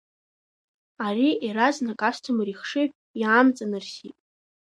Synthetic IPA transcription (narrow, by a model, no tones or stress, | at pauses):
ariiɾaznakʼastʰɨmriχʂɨʒ | jaːmt͡sʼanɨrsitʼ